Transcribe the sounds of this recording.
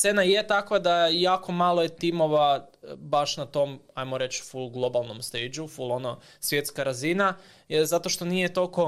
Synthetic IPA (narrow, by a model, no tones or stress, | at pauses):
senajet̪akʋad̪ajaːko̞malˠojet̪imo̞ʋabaʃnat̪o̞m | ajmoɾe̞t͡ʃfulˠɡlˠo̞balˠno̞mst̪eːjd͡ʒufulˠo̞no | sʋje̞t̪skaɾazina | zat̪o̞ʃt̪o̞nije̞t̪o̞lko̞